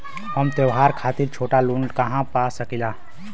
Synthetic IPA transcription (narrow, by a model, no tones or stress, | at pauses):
həmt̪əwɦaːɾkʰaːt̪iɾt͡ʃʰoːʈaluːnkaɦãpasəkilaː